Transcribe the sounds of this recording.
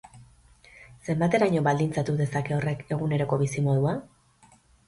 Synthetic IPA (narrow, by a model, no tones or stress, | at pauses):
se̞mbat̪e̞ɾaɲo̞βald̪int͡sat̪uðe̞sake̞o̞re̞ke̞ɣ̞une̞ɾo̞ko̞βisimo̞ðua